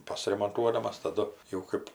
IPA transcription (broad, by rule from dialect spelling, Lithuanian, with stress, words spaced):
ˌpɑːsʲɪrʲɛmoːnˈtuɔdɐmɐs tɐˈdʊ jɛʊ ˈkɜp